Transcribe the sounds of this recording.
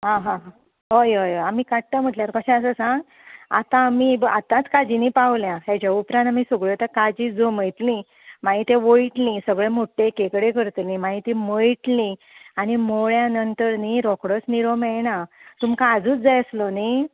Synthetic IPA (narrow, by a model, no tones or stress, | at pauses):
ɦãɦãɦã | ɦojɦojoamiːkaʈt̪əm̤əʈljaɾkəɕãəsəsãŋɡ | a̰t̪ãːmibat̪ãt͡skad͡ʑinipaʋljãɦed͡ʑaupɾãnt̪amisəɡɭjet̪akad͡ʑid͡zoməjt̪lĩ | maɦit̪eʋojʈlĩsəɡɭemoʈːekekɽekəɾt̪lĩmaɦit̪ĩməjʈlĩ | añimoɭjanənt̪əɾniɾɔkɽət͡sniɾomanat̪umkaːd͡zuːt͡sd͡zajəsləni